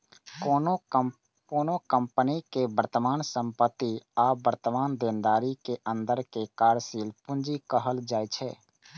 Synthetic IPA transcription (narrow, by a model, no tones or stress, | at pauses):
koːno | koːnokə̃mpənikebəɾt̪əmaːnsə̃mpət̪ːiaːbəɾt̪əmaːnd̪ẽːnd̪aːɾikeʔə̃nd̪əɾkekaːɾsiːlpʊ̃nd͡ʒikəɦəld͡ʒaːit͡ʃʰɛː